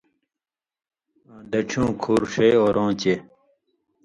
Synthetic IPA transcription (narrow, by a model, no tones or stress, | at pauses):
ãːd̪ɐʈ͡ʂʰjũːkʰuːɾʂejoːɾõːt͡ɕe